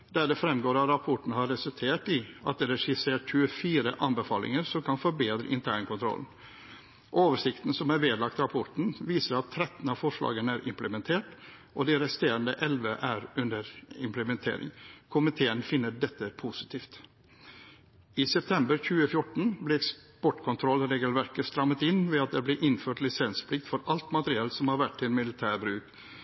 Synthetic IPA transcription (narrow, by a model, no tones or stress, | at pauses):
d̪̥æːɖɛfɾɛmɡoːɾɑɾɑpʰɔʈɳ̩hɑɾɾɛsʉlt̪ʰeːʈɪʔɑ̰t̪̚d̪ɛɾɛʂɪseːʈçʉːəfiːɾəʔɑnbəfɑːlɪ̰ŋəɾsɔmkʰɑnfɔɾbeːd̪ɾə̰ʔɪ̰nt̪ʰæːɳkʰʊnt̪ʰɾɔ̰ln | ʔoːʋəʂɪkt̪n̩sɔmæɾʋeːd̪lɑk̚t̪ɾɑpʰɔʈɳ̩ʋiːsəɾɑt̪ʰːɾɛt̪n̩ɑːʋfɔʂlɑ̰ːɡənæːɾʔɪ̰mpləmɛnt̪ʰeːʈ | ʔɔd̪ɛɾɛst̪eːɾənd̪ə̰ʔɛlʋəʔæɾʉnd̪əɾɪmpləmɛnt̪ʰḛːɾɪ̰ŋkʰʊmɪt̪ʰeːənfɪnːəɖɛt̪ːəpʰusɪ̥t̪ʰiːft̪ | iːsɛpt̪ʰɛmbəɾçʉːəfjʊʈɳ̩blɪɛkspɔʈkʰʊnt̪ʰɾɔlːɾeːɡəlʋæɾkəst̪ɾɑmət̪ɪnʋɛːɑt̪̚d̪ɛblɪʔɪnføːʈlɪsɛnspʰlɪk̚t̪fɔɾɑlt̪mɑt̪əɾɪɛːlsɔmhɑɾʋæʈtɪlmɪlɪt̪ʰæːɾbɾʉːk